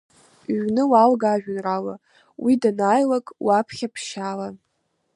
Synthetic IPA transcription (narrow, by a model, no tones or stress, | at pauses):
ʒʷᶣnɨwalɡaʒᶣʊnrala̰ | widanaːjlakʼwapʰχʲapʰʃala